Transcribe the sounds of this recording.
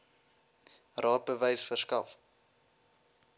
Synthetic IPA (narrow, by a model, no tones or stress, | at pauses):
rɑːt̚bəvəjsfərskɐ̰f